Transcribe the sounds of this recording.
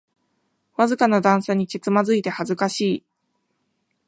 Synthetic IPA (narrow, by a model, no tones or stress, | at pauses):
βazɨkanad̪ãɰ̃seɲ̟iket͡sɨmazɨit̪e̞hazɨkaɕiː